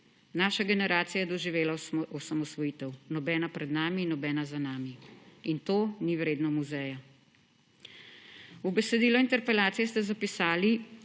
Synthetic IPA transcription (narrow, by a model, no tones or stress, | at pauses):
naːʃaɡɛnɛɾaːt̪sijajɛd̪ɔʒiʋeːlaɔsamɔsʋɔjiːt̪ɛwnɔbɛːnapɾɛd̪naːmiːnɔbɛːnazanaːmiint̪oːniwɾeːd̪nɔmuzɛːja | ubɛsɛd̪iːlɔint̪ɛɾpɛlaːt̪sijɛst̪ɛzapisaːli